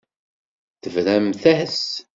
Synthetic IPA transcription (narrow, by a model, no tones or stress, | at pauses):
θəvɾæmθæhəs